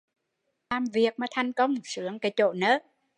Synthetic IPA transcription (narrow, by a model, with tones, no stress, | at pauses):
laː˨˩mvi˨˩ək̚maː˨˩t̪ʰa˨˩jŋ̟kə˧wŋ͡msɨ˧˦əŋkaː˨˦jt͡ɕo̰˧˨nəː˨˦˥